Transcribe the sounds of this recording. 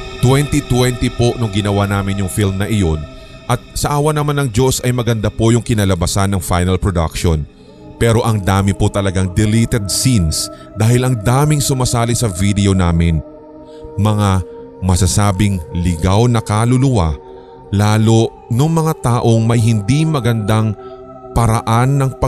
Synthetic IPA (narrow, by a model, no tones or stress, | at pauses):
t̪wɛnt̪it̪wɛnt̪ɪpo̞nʊŋɡɪnɐwanaːmɪnjʊŋfilmnɐʔɪjo̞n | ʔɐt̪̚sɐʔaːwɐnɐmanɐŋd͡ʒo̞sʔɐjmɐɡɐnd̪apojʊŋkɪnɐlɐbɐsanːɐŋfajnɐlpɹod̪a̰kʃon | pɛːɾo̞ʔɐŋd̪aːmɪpʊt̪ɐlɐɡaŋd̪ɛlit̪ɛd̪̚sins | d̪aːhɪlɐŋd̪aːmɪŋsʊmɐsaːlɪsɐvid̪ɛo̞naːmɪn | mɐŋa | mɐsɐsaːbɪŋlɪɡawnɐkalʊlʊwa | laːlo̞ | noŋmɐŋat̪aːʔo̞ŋmɐjɦɪnd̪imɐɡɐnd̪aŋ | pɐɾɐʔanːɐŋpɐ